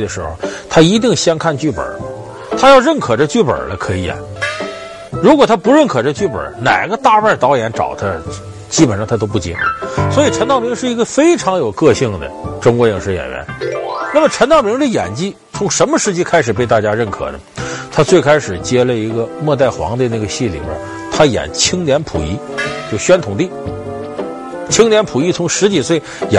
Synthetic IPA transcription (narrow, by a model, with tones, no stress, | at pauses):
d̪ə˩ʂɻ̩˧˥xo̰˧˩ʊt̪ʰa˥i˧˥t̪i˥˩ŋɕjɑ˥ŋkʰa˥˧nt͡ɕy˥˩pə̰˨˩˦ | t̪ʰa˥jɑ˥˧ʊɻə˥˩nkʰɤ˨˩ʈ͡ʂə˥˧t͡ɕy˥˩pə̰˞˨˩lə˦kʰɤ˧˥ḭ˧˥a̰˨˩ | ɻu˧˥kwɔ˨˩t̪ʰa˥pu˧˥ɻə˥˩nkʰɤ˨˩ʈ͡ʂə˥˧t͡ɕy˥˩pə̰˞˨˩˥na̰˨˩ɪɡə˧t̪a˥˧pa˥˩t̪ɑ˧˥ʊjɛ˧˥nʈ͡ʂɑ̰˨˩ʊt̪ʰə˦ | t͡ɕi˥pə˨˩nʂɑ˥˩ŋt̪ʰa˥t̪o˥ʊp̬u˥˩t͡ɕɛ˧˥swɔ˧˥i˨˩ʈ͡ʂʰə˧˥nt̪ɑ˥˩ʊmi˧˥ŋʂɻ̩˥˩i˧˥ɡə˧fe˥ɪʈ͡ʂʰɑ˧˥ŋjo˨˩ʊkɤ˥˧ɕi˥˩ŋd̪ə̰˩ʈ͡ʂʊ˥ŋkwɔ˧˥jŋʂɻ̩˧˥˧jɛ̰˨˩nɥɛ̰˧˥nna˥˩mə˩ʈ͡ʂʰə˧˥nt̪ɑ˥˩ʊmi˧˥ŋdə˥˩jɛ̰˨˩nt͡ɕi˥ | t͡sʰʊ˧˥ŋʂə˧˥nmə˧ʂɻ̩˥˩t͡ɕi˥kʰa˥ɪʂɻ̩˨˩pe˥˧ɪt̪a˥˩t͡ɕja˥ɻə˥˩nkʰɤ̰˨˩nə̰˦t̪ʰa˥t͡swe˥˧ɪkʰa˥ɪʂɻ̩˨˩t͡ɕjɛ˥lə˨i˧˥ɡə˧mwɔ˥˧t̪a˥˩ɪxwɑ̰˧˥ŋd̪ə˧na˥˩ɡə˩ɕi˥˩lḭ˨˩bə̰˧˥ | t̪ʰa˥jɛ̰˨˩nt͡ɕʰi˥ŋljɛ˧˥npʰṵ˨˩i˧˥t͡ɕjo˥˩ɕɥɛ˥nt̪ʰʊ˨˩ŋt̪i˥˩ | t͡ɕʰi˥ŋljɛ˧˥npʰu˨˩i˥t͡sʰʊ˧˥ŋʂɻ̩˧˥t͡ɕi˨˩swe˥˩ɪj